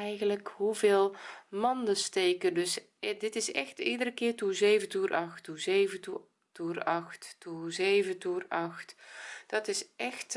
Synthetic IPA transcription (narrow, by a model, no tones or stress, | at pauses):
ɛjɣənləkɦuvɪːlˠmɑndəstejkəndɵs | dɪtɪsɛ̰xtidərəkɪːrtuzeːjvətuːrʔɑxtuzeːvətu | tuːrɑχtːuzeːvətuːrɑxtd̥ɑtɪsʔɛxt